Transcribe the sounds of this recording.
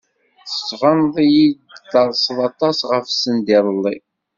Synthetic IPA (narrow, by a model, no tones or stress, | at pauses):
θə̥svənðˤijid̪ɑɾˤsəðˤɑt̪ˤɑsʁəfsənd̪iɾˤəlˤːi